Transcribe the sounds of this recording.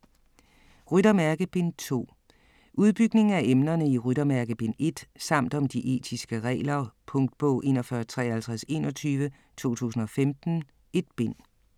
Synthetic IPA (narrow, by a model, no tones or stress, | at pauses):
ʁyd̥ɐmæɐɡ̥əb̥e̝n̰t͡sʰo̝̰ː | ʔuð̞ˠb̥yɡ̥ne̝ŋ̩æʔemnɐnəiʁyɾ̥ɐmæɐɡ̥əb̥e̝ne̝d̥sɑ̈m̰d̥ɒ̽md̥iʔe̝̰ːd̥ʰisɡ̥əʁɛ̰ːlɐpʰɔ̽ŋd̥̚b̥ɔ̰ʊ̰ʔe̝̰ːnɒfɶɐt͡sʰʁɛːhælt͡sʰʁase̝̰ːnɒ̽t͡sʰyːʋə | t͡sʰo̝̰ːt͡sʰṵːsn̩ɒ̽femd̥n̩ | e̝d̥̚b̥e̝n̰